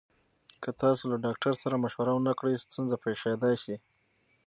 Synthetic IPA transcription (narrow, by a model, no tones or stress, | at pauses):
kʰət̪ɑsolaɖɑkʈaɾsaɾamaʃwaɾawənakɽəjst̪unzapeʃed̪ɑjʃi